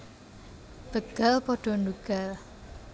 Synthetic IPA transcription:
b̥ə̤ɡ̥a̤lpɔɖ̥ɔ̤nduɡ̥al

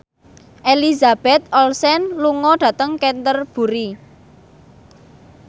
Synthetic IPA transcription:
ʔelizab̥ɛt̪̚ɔlsɛnluŋɔɖ̥ä̤t̪əŋkɛnt̪ərb̥ṳɾi

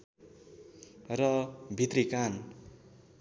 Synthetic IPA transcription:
rʌbʱit̪rikan

